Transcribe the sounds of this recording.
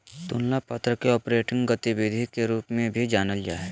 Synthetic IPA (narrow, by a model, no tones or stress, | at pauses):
t̪ʊnlapət̪ɾəkeɔːpɾeːʈɪ̃ŋɡɡət̪iʋɪd̪ʱikeɾuːpmẽbʱid͡ʒaːnəld͡ʒa̰ːɛ